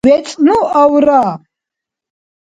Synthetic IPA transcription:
vɛt͡sʼnuawɾa

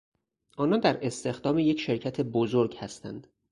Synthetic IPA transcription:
ʔɒːnɒːnd̪æɾe̞st̪e̞xd̪ɒːmejecʃe̞ɾcʰæt̪ʰe̞bozoɾɟhæst̪æ̰nd̪̥

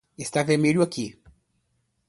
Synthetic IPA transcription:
est̪aveɾmeʎʊaki

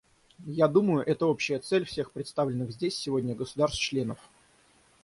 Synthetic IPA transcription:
jad̪uməjʊʔɛt̪əo̞pɕɪjət̪sɛlʲfsʲe̞xpɾʲɪt̪st̪avlʲɪnːɨxzʲdʲesʲːɪvo̞dʲnʲəɡəsʊd̪arst̪t͡ɕlʲe̞nəf

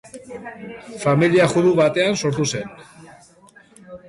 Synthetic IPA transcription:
familiaxuðuβat̪e̞anso̞ɾt̪use̞n

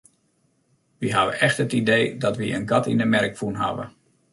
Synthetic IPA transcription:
ʋiɦaʋə̰ʔɛxtɦətidejdɑtʋiə̰nɡɑtḭndəmɛrkfunɦa̰ʋə̰

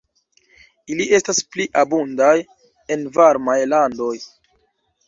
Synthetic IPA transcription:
iliʔe̞staspliʔabundaj | e̞nvaɾmajlando̞j

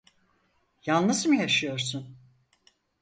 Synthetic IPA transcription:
jalˠnɯzmɯjaʃɯjo̞ɾsun

